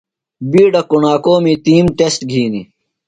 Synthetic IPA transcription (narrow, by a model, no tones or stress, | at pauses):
biːɖɐkuɳaːkoːmit̪iːmʈesʈɡʱiːni